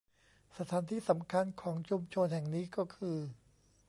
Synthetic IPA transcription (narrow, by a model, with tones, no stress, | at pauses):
sa˧t̪ʰaː˩˦nt̪ʰiː˥˩sa˩˦mkʰa˧nkʰɔː˩˦ŋt͡ɕʰu˧mt͡ɕʰo˧nhɛ˨˩ŋniː˦˥kɔː˥˩kʰɯː˧